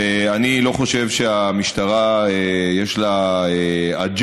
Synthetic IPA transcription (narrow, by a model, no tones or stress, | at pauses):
eanilo̞χo̞ʃe̞vʃeamiʃtaʁaejeʃlaead͡ʒ